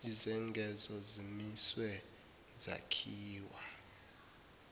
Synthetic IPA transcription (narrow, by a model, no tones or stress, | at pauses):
izɛŋɡʱɛzɔzimiswɛ | za̰kʰiːwa